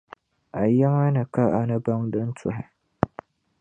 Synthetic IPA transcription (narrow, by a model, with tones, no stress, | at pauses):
ʔa˨jɛ˦ma˦nɨ˨ka˦ʔa˨nɐ˦ba˦ŋdɨ˦n˦tʰʊ˨hɛ˨